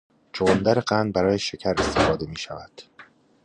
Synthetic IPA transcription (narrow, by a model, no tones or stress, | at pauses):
t͡ʃʰoond̪æɾeɢænd̪̚bæɾɒːjeʃecʰæɾe̞st̪ʰefɒːd̪e̞miːʃævæd̪̥